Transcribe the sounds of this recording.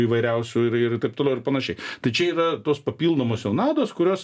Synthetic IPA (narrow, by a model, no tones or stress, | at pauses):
iːʋɐɪɾʲɛʊsʲʊɪɾɪt̪ɐɪp̚t̪oːlɛʊɪɾpɐnɐʃʲɛɪt̪ɐɪt͡ʃʲɛiːɾɐt̪oːspɐpʲiːlˠd̪oːmoːsjɛʊnɑːd̪oːskʊɾʲoːs